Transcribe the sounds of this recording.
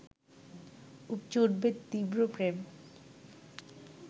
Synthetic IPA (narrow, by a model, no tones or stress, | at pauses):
upt͡ɕoɾbet̪ːibɾopɾem